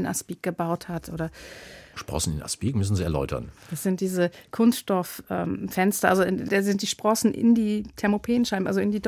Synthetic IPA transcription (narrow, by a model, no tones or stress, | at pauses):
nʔa̰sb̥iːk̚ɡ̥əbaʊthatʰʔoːɾɐʃpʁ̥ɔ̰sn̩ɪ̰na̰spiːkmʏsn̩ziːɛɐlɔ̰ʏtʰɐ̰nd̥asz̥ɪnt̚d̥iːzəkʰʊnsʃtɔfʔɛ̰ːmfɛnstɐʔalzodazɪnt̚d̥iːʃpʁ̥ɔsn̩ʔɪ̰ndiːtʰɛɐmopʰeːn̩ʃaɪbm̩ʔalzoɪndiːd